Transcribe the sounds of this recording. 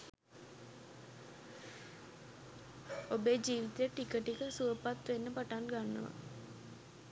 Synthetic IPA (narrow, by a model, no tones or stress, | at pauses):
obed͡ʑiːʋit̪ejəʈikəʈikəsuəpat̪ʋenːəpaʈanɡanːə̰ʋa̰